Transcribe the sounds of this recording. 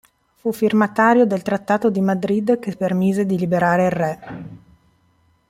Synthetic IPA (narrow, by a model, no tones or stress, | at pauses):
fufirmat̪aːɾjod̪elt̪ɾat̪ːaːt̪od̪imad̪ɾid̪k̟epːermiːzed̪ilibeɾaːɾeirːɛ